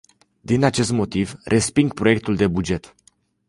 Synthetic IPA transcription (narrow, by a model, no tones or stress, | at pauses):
d̪inat͡ʃe̞st̪mo̞t̪ivrʔe̞spiŋɡ̚pɾo̞je̞k̚t̪uld̪e̞bud͡ʒe̞t̪